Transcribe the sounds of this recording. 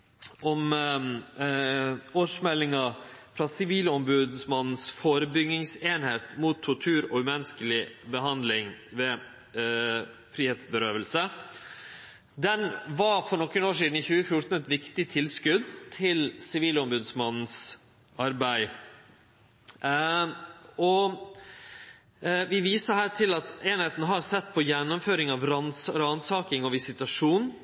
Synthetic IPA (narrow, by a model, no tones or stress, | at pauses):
ɔm | oːʂmɛlɪŋɑfɾɑsɪʋiːlɔmbʉd̪smɑnn̩sfoːɾəbʏɡɪŋseːnheːt̪muːt̪ʰːʊʈʰʉːɾɔmɛnəskəlɪbəɦɑnd̪lɪŋʋeː | fɾiːheːt̪sbəɾøːʋəlsə | d̪ɛnʋɑfɔɾɳɔkːənoːʂ̬iːd̪n̩ɪçʉːəfjʊʈ̪n̩ɛt̪ʋɪkt̪ɪt̪ʰɪlskʉd̪t̪ʰɪlsɪʋiːlɔmbʉd̪smɑnn̩s | ɑɾbæɪ | ɔ | ʋɪʋiːsəɾhæːʈʰɪlɑt̪eːnheːt̪nəɦɑɾsɛt̪ːpʰɔjɛnːʊmføːɾɪŋɑʋɾnsɾɑnsɑːkɪŋɔʋɪsɪt̪ɑʂuːn